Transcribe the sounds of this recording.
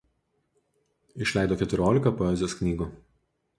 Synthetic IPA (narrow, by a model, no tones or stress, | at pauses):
ɪʃʲlʲæˑɪd̪oːkʲɛt̪ʲʊɾʲoːlʲɪkɐpɔɛːˑzʲɪjoːsknʲiːɡuː